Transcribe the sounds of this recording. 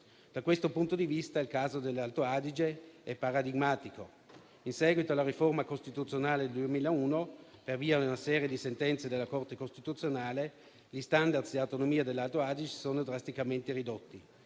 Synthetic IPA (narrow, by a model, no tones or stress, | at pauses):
d̪̥akwest̪opunt̪od̪ivist̪ailkaːzod̪elːalt̪oad̪id͡ʒeɛpːaɾad̪iɡmaːt̪iko | insɛːɡwit̪olaɾiformakost̪it̪ut̪sːjonaːleld̪uemiːlauːnoperviːaunasɛːɾjed̪isent̪ɛnt̪sed̪elːakort̪ekost̪it̪ut̪sjonaːle | ʎist̪and̪ad̪sd̪eawt̪onomiːad̪elːalt̪oaːd̪id͡ʒe̥soːnod̪ɾast̪ikament̪eɾid̪ot̪ːi